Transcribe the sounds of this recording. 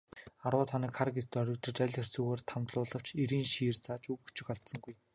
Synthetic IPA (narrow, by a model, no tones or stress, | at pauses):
arwʊːt̪ʰaniːkχarɡet̪t̪ːœɾʲɪ̆kt̪ə̆t͡ɕæɮʲxer̥t͡sɵːɣoːrt̪ʰamt̪ɮʊːɮə̆w̥t͡ɕeɾiːnʃiːrt͡sʰaːt͡ɕuwu̥t͡ɕɪ̆kaɮt̪sə̆ŋɡuj